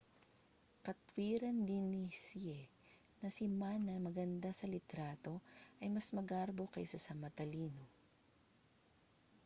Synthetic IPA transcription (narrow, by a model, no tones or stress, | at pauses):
kɐt̪wiːɾɐnd̪ɪnːisiɛ | nɐsɪmanːɐmɐɡɐnd̪asɐlɪt̪ɾaːt̪o̞ʔɐjmɐsmɐɡaɾbo̞kɐ̰jsɐsɐmɐt̪ɐliːno